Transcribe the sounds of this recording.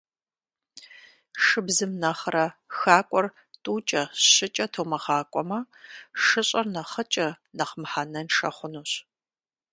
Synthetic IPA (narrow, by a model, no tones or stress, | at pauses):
ʂɨbzɨmnɐχrɐxaːkʷʼɔr | tʼuːt͡ʃʼɐɕɪt͡ʃʼɐtʰowmɐʁaːkʷʼɔmɐ | ʂɨɕʼɐrnɐχət͡ʃʼɐ | nɐχmħanɐnʂɐ̰χʷʊnuːɕ